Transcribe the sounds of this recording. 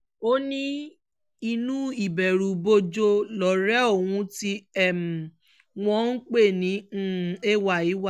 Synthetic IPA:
o˦nĩ˦ | i˧nũ˦i˦˨bɛ˨ɾu˨bo˧d͡ʒo˧lɔ˨ɾɛ˦o˦˨wũ˧˦ti˧ɛ˨m̩˨ | w̃ɔ̃˦n̩˦k͡pe˦˨nĩ˨˦˨e˦˨wa˦˨i˨˦wa˦˨

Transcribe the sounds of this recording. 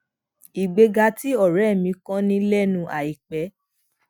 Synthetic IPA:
i˨ɡ͡be˧ɡa˧ti˨˦ɔ˦˨ɾɛ˨˦˨mĩ˧kã˦nĩ˧lɛ˦nũ˧ʔa˨i˨k͡pɛ˨˦

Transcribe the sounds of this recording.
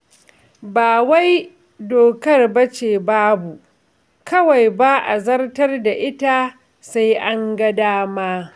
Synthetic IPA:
baː˨wa˦j | doː˨kɐ˦rbɐ˦t͡ʃeː˨baː˦bu˨ | kɐ˦wa˨jba˦ʔa˨zɐ˦rtɐ˦rda˨ʔɪ˦ta˦ | sa˦jʔa˦ŋɡɐ˦daː˦maː˦

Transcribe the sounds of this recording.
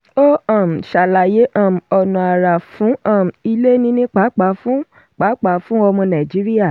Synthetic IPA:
o˦ã˦˨m̩˨ʃa˨la˨je˨˦ʔã˦˨m˨ɔ˨nɔ̃˨a˨ɾa˨fũ˨˦ã˦˨m̩˨i˧le˦nĩ˧˦nĩ˦k͡pa˨˦k͡pa˨˦fũ˦ | k͡pa˨˦k͡pa˨˦fũ˦ɔ˧mɔ̃˧nã˨d͡ʒi˨˦ɾi˦a˦˨

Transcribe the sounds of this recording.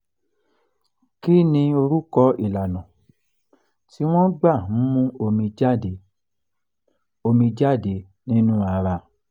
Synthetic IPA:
ki˦nĩ˧o˧ɾu˦kɔ˧˦i˦˨la˨nɔ̃˨ | ti˦w̃ɔ̃˦ɡ͡ba˦˨˦mũ˦o˧mĩ˧d͡ʒa˦˨de˨ | o˧mĩ˧d͡ʒa˦˨de˨ | nĩ˦nũ˦a˨˧ɾa˧

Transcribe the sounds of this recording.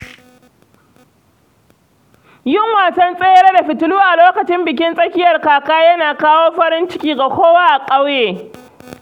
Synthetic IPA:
jʊ˦˨ŋwaː˨sɐ˦nsʼe˦jɐ˦ɾa˦da˨ɸɪ˨tʊ˦luː˦ʔa˨loː˦kɐ˨t͡ʃɪ˦mbɪ˨k̬ʲɪ˦nsʼɐ˦kʲɪ˦jɐ˨rkaː˨kaː˦jɐ˦naː˨kaː˦woː˦ɸɐ˦ɾɪ˦nt͡ʃɪ˦kʲiː˦ɡa˨kʷoː˦waː˦ʔa˨kʼɐ˦wjeː˨

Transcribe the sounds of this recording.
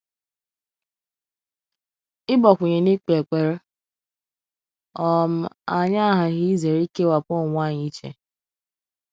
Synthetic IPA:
ɪ˦bɔ˨kʷʊ˨ɲe˨ni˦k͡pe˨k͡pe˨ɾ | ɔ˦˨m̩˦a˨ɲa˦a˦ɦa˨ɣi˦ze˨ɾi˦ke˦wa˨k͡pʊ˦˨ŋʷa˦˨ɲi˦t͡ʃḛ˨

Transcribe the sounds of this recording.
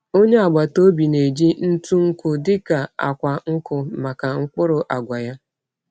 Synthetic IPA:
o˦ɲe˦a˨ɡ͡ba˨to˦bi˨ne˨d͡ʒi˦n̩˦tu˦ŋ̩˦kʊ˦dɪ˦ka˨a̰˨kʷa˨ŋ̩˦kʊ˨ma˨ka˨ŋ̩˦k͡pʊ˦ɾʊ˨ʔa˨ɡʷa˨ja˦

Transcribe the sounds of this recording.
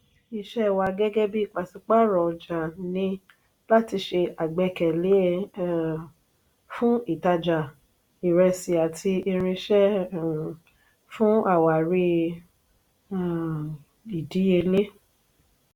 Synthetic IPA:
i˧ʃɛ˦˨wa˧ɡɛ˦ɡɛ˦bi˦i˦˨k͡pa˨si˧k͡pa˦ɾɔ˨d͡ʒa˨nĩ˧ | la˦ti˧ʃe˧a˨ɡ͡bɛ˧kɛ˨le˨˦ | fũ˦i˦˨ta˧d͡ʒa˨ | i˨ɾɛ˧si˧a˨tʰi˧i˧ɾ̃ĩ˧ʃɛ̃˦˨ | fũ˦a˦˨wa˨ɾi˧˨ | i˨di˨˦je˧le˦

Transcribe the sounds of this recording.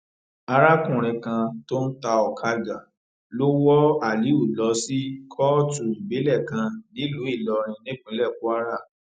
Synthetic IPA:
a˧ɾa˦kũ˦˨ɾ̃ɛ̃˧kã˧to˦n̩˦ta˧ɔ˨kʰa˧ɡa˨ | lo˦wɔ˦a˨li˨˦u˦˨lɔ˨˧˦si˦kʰɔ˦tu˨i˨be˨˦lɛ˦˨kã˧nĩ˦lu˨˦i˦˨lɔ˧ɾ̃ĩ˧nĩ˦k͡pĩ˨˦lɛ˦˨ku˦a˦ɾa˦˨

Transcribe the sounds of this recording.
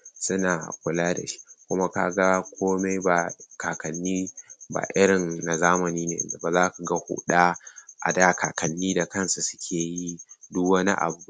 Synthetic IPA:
sʊ˦naː˨kʷʊ˦laː˦da̰˨ʃi̥˦kʷʊ˦ma˦ka˦ɡa˦kʰʷoː˦me˦jba˨kaː˨kɐ˨nːiː˦ba̰ː˨ʔɪ˦ɽɪ˨nːa˨zaː˦mɐ˨niː˦nḛː˨nda˨ba˨zaː˦ku˨ɡa˦hʊ̰˨ɗa˦ʔa̰˨daː˦kʰaː˨kɐ˨nːiː˦da˨kɐ˦nsa˨sʊ̥˦kʲʰeː˨ji˦dʊ˦kwɐ˦nḭ˦ʔa̰˨bu˦

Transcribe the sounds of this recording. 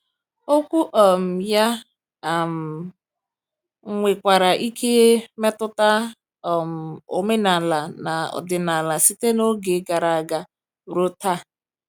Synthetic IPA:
o˦kʷu˦ʔɔ˨m̩˨ja˦˨ | m̩˨ | ŋ̩˦ŋʷe˨kʷa˨ɾa˨ʔi˦kʰe˦me˦tʊ˦ta˦˨ | m̩˨o˨me˦na˨la˨na˨ɔ̰˨dɪ˨na˨la˨si˦te˦no˦ɡe˨˦ɡa˨ɾa˨a˨ɡa˨ | ɾo˦ta˦

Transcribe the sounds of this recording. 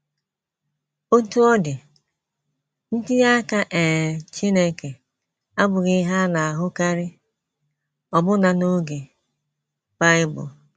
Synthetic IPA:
o˦tu˦ɔ˦dɪ˨ | n̩˦dɪ˦ja˦ka˦ʔe˨t͡ʃi˦ne˦ke˨ | a˦bʊ˨ɣɪ˦ɦa˦na˨a˨ɦʊ˦ka˦ɾɪ˦ | ɔ˨bʊ˦na˨no˦ɡe˨ | ba˦ɪ˦bʊ̰˨

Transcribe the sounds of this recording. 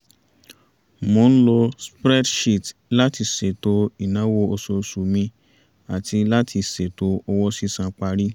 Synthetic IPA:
mõ˨˦ñ̩˦lɔ˧spɾɛ˦dʃi˦˨tla˦ti˧se˨to˧˦i˨nã˨˦wo˧o˧so˧su˨mĩ˧ | a˨tʰi˧la˦tʰi˧se˨to˨˧ɔ˧wɔ˦si˦sã˧k͡pa˧ɾi˦

